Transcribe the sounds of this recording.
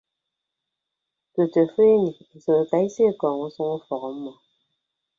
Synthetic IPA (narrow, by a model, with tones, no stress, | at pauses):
tə˨tə˨fe˦ni˨so˨ka˨i˦se˦˨kɔː˨ŋo˦su˦ŋo˦fɔ˨ɣɔ˨˦mɔ˨